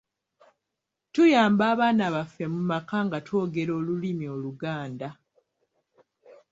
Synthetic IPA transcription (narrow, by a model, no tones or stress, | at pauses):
tujaːmbaːβaːnaβafːe̞mumakaŋɡatwo̞ːɡe̞ɾo̞ːlulimio̞ːluɡaːnda